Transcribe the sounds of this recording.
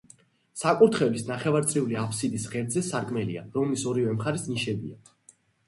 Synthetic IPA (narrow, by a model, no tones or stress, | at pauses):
sakʼuɾt̪ʰχɛlisnaχɛvaɾt̪sʼɾiuliapʰsid̪isʁɛɾd̪zɛsaɾkʼmɛlḭa̰ɾɔmlisɔɾivɛmχaɾisniʃɛbḭa